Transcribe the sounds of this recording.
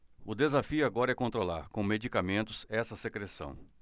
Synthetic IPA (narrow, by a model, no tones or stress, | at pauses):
ʊd̪ezafiʊaɡɔɾɐɛkõnt̪ɾolaɾkõw̃med͡ʒikamẽnt̪ʊzɛsɐsekɾesɐ̰̃w̃